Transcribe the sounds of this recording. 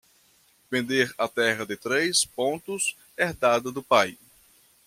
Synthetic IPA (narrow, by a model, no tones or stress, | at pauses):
vẽnd̪eɾɐt̪ɛʁɐd̪ɪt̪ɾejspõnt̪ʊs | eɾd̪ad̪ɐd̪ʊpaj